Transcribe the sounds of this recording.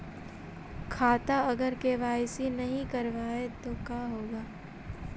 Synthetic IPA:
kʰaːt̪aɐɡəɾkeʋaːjsinɐɦĩkɐɾʋaːet̪okaːɦoːɡaː

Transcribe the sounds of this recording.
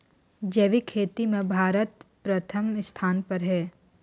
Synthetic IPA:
d͡ʒeːʋikʰeːt̪imẽbʱaːɾət̪pɾɐt̪ʰəmst̪ʰaːnpɐɾɦɛː

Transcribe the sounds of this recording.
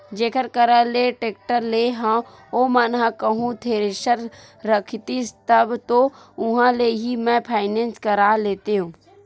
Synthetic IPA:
d͡ʒeːkəɾkəɾaleʈeːk̚ʈəɾleɦã | omənɦãkəɦũt̪ʰeːɾeʃəɾ | ɾəkʰt̪ist̪əbt̪o | ʊɦãleɦimɛ̃pʰaːɪneːnskəɾaleːt̪eɦũː

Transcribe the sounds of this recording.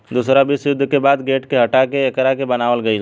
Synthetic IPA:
d̪uːsɾabɪsjʊd̪ʱːkebaːd̪ɡeːʈkeɦɐʈakeːkɾakebɐnaːʋəlɡɐi

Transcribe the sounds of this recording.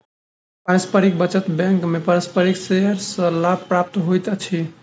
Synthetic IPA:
paɾəspəɾik̚bət͡ʃət̪bɛ̃ŋkmepaɾəspəɾiksejəɾsə̃lab̚pɾap̚t̪ɦojt̪t͡ʃʰi

